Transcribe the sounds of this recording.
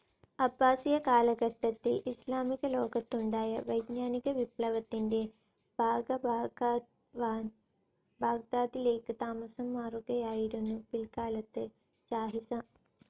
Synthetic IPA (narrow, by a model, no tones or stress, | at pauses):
ɐbːaːsijɐkaːlɐɡɐʈːɐt̪ːilʔislaːmiɡɐloːɡɐt̪ːuɳɖaːjɐʋɐjd̪naːniɡɐʋipɭɐʋɐt̪ːinde | bʱaːɡɐ | bʱaːɡ̚d̪aːd̪ile̞ːkɨt̪aːmɐsɐmːaːɾoːɡjɐjaːjiɾunːupilkaːlɐt̪ːɨ | t͡ʃaːɦisɐ